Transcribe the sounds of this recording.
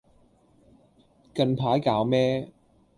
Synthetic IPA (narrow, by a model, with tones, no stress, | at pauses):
kɐ˧npʰaː˨˥jkaː˨˧˥wmɛː˦˥